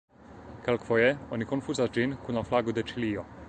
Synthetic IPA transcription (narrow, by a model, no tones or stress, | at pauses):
kɛlkvɔjɛɔnikonfuzazd͡ʒinkunaflaɡud̪ɛt͡ʃilijɔ